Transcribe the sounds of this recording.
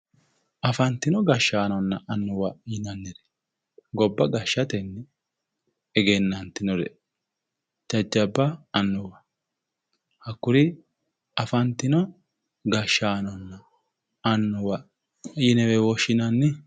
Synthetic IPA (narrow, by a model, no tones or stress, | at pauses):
ɐfɐnt̪ːɪnɔɡɐʃːaːnɔnːɐʔɐnːʊwɐjɪnɐnːɛɾɛ̥ | ɡɔbːɐɡɐʃːɐt̪ɛnːɪ | ɛɡenːɐnt̪ɪnɔɾɛ̰ | d͡ʒɐd͡ʒːɐbːɐɐnːʊwɐ | hɐkːʊɾɪ | ɐfɐnt̪ːɪnɔ | ɡɐʃaːnɔnːɐː | nːʊwɐ | jɪnɛwɛwɔʃːɪnɐnːɪ